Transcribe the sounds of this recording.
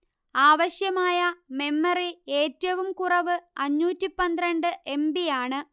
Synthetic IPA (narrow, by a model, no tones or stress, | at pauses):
aːʋɐɕjɐmaːjɐme̞mːɐrieːtːɐʋumkurɐʋɨɐɲːuːtːipɐnd̪rɐɳɖɨʔe̞mbijaːɳɨ